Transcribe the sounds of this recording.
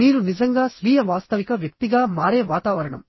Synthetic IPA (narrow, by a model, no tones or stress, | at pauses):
niːɾunizɐŋɡaːsʋiːjɐʋaːst̪ɐʋikɐʋjɐk̚t̪iɡaːmaːɾeːʋaːt̪aːʋɐɾɐɳɐ̰m